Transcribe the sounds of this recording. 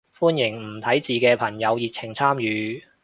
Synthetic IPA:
fuː˥njɪ˨˩ŋm̩˨˩t̪ʰɐ˨˥jt͡siː˨kɛː˧pʰɐ˨˩ŋjɐ˨˧wji˨t̚t͡sʰɪ˨˩ŋt͡sʰaː˥mjyː˨˧

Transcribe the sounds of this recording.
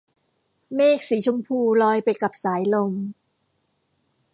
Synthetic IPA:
meː˥˩k̚siː˩˦t͡ɕʰo˧mpʰuː˧˩lɔː˧jpa˧jka˨˩p̚saː˩˦jlo˧m

